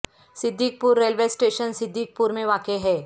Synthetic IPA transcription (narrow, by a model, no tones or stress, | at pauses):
sɪd̪ʱːik̚puːɾːeːlʋeːsʈeːʃənsɪd̪ʱːiːk̚puɾmẽʋaːkeɦɛː